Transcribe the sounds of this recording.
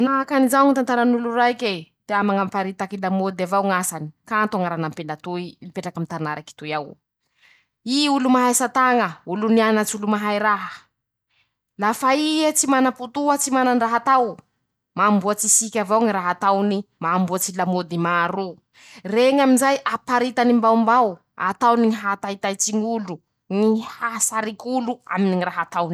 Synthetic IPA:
naɦakanizawŋit̪ant̪aɾanuluɾaiket̪eamaŋampaɾit̪akilamod̪avawŋasani̥kant̪uaŋaɾanampelat̪uilipeʈ͡ʂakamit̪anaɾʔaki̥t̪ujaw | iulumaɦajsat̪aŋəulunianat͡sulumaɦajɾaɦə | lafaiet͡simanaput̪uət͡simananraɦat̪aw | mambuat͡sisikʲavawŋiɾaɦat̪awnimaːmbuat͡silamod̪imaːɾu | reŋaminzajʔapaɾit̪animbawmbaw | a̰t̪awniɦat̪ait̪ajt͡siɲulu | nihasaɾikʲulua̰miniŋiraɦat̪awni

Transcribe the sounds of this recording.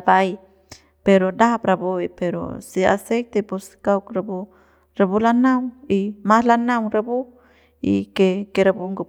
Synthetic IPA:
bai | peɾodaapraboipeɾo̰sia̰sɛk̚t̪epuskaukrabu | rabulanawimalanawɾabu | ḭkekeɾabuŋɡu

